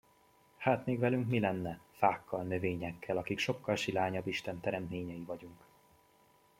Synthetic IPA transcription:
haːt̪meːɡvɛlyŋkmilɛnːɛfaːkʰːɒlnø̞veːɲɛkʰːɛlɒkikʃo̞kːɒlʃilaːɲɒbːiʃt̪ɛnt̪ɛɾɛnt̪meːɲɛjivɒɟuŋk

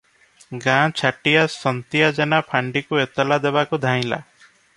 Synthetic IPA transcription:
ɡãt͡ʃʰaʈijasɔnt̪jad͡ʒenapʰaɳɖikuet̪ɔlad̪ebakud̪ʱaĩla̰

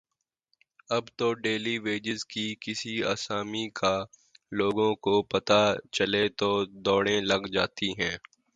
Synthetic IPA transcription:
ɐbt̪oɖeːliʋeːd͡ʒɪzkikɪsia̰ːsaːmikʰa | loːɡõkopɐt̪at͡ʃɐlet̪od̪ɔːɽẽlɐɡd͡ʒaːt̪iɦɛ̃ː

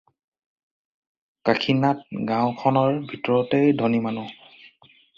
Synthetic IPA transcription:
kakʰinat̚ɡãʊ̃kʰɔnɔɹbʱitɔɹɔtejdʱonimanʊ

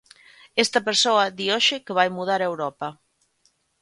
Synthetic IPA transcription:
ɛst̪ɐpeɾsoɐðioʃɪkeβajmuð̞aɾewɾɔpɐ

